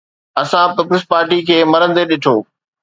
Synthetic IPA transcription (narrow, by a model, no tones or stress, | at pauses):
ɐsãpɪpɾɪspaːɾʈikʰeːmɐɾənɪ̆t̪eɗɪʈʰoː